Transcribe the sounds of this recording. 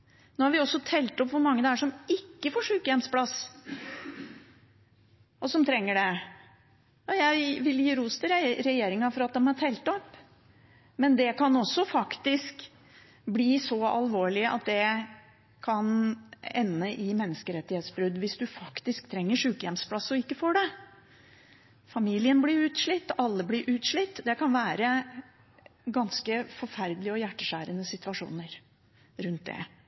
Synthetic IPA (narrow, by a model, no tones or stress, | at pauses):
noːhɑɾʋɪɔsːɔt̪ʰɛlt̪ɔpʋʊɾmɑŋːəd̪ɛæʂɔmɪkːəfoːʂʉːkəjɛmspʰlɑs | ʔɔsɔmt̪ʰɾɛŋːəɖɛ | ɑjæɪʋɪljiːɾuːst̪ɪɾɾɛjeːɾɪŋɑfɔɾɑt̪̚d̪ɛmhɑt̪ʰɛlt̪ɔpː | mɛnd̪ɛkʰɑnɔsːɔfɑkt̪ɪsk | bliːsɔɑ̰lʋoːɭɪəʔɑ̰t̪̚d̪ɛ | kʰɑnɛ̰nːəʔɪmɛnːəskəɾɛt̪ːɪheːt̪sbɾʉd̪ʋɪsd̪ʉfɑkt̪ɪsk̚t̪ʰɾɛŋːəʂʉːkəjɛmspʰlɑsɔɪkːəfoːɖɛ | fɑmiːlɪənblɪɾʉːt̪ʂɭɪt̪ːɑlːəblɪɾʔʉːt̪ʂɭɪt̪ːd̪ɛkɑnʋæːɾə | ɡɑnskəfɔɾfæɾd̪əlɪəɔjæʈːəʂæːɾənəsɪt̪ʋɑʂṵːnəɾ | ɾʉnt̪̚d̪ɛ̰